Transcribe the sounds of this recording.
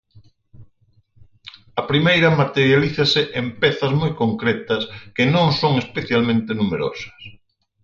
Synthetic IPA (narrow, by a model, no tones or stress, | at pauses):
ɐpɾimejɾɐmat̪eɾjaliθɐsɪʔempɛθɐzmojkoŋkɾɛt̪ɐskenõŋsoŋespeθjalmẽnt̪enumeɾo̰sɐ̥s